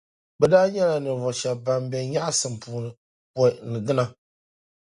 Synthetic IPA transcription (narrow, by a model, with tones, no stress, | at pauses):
bɛ˨daː˦ɲɛ˦la˨nɨ˨vɔ˨ʃɛ˨ba˨mbɛ˨ɲa˦ʔsɨ˨m˨puː˨nɨ˨ | pɔ˨nɨ˨ɡɨ˦na˦